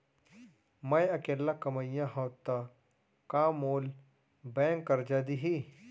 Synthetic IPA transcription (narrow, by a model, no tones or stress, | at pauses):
mɐ̃jɐkeːlːakɐməjãɦɐwt̪a | kaːmoːl | bẽːŋkːɐɾd͡ʒaːd̪iɦi